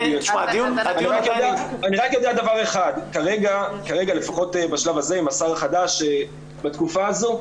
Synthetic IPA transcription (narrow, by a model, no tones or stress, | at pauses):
ʃad̪iunaniʁakjod̪eaaniʁakjodead̪avaʁe̞χad̪kaʁe̞ɡakaʁe̞ɡale̞faχo̞tebaʃlavaze̞imasaʁχadaʃe | bat̪kufaːzo̞